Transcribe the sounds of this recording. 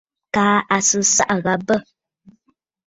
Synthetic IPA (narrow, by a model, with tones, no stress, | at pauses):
kaː˨˦a˨sɨ˦sa̰˦ʔɣa˨bə˦